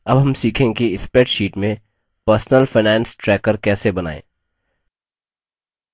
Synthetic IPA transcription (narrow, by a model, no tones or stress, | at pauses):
ɐbɦɐmsiːkʰẽkiɪspeːʈʃiːʈmẽ | pəɾsnəlfaɪnɛ̃ːnsʈɾɛːkəɾkɛːsebɐna̰ːḛ̃ː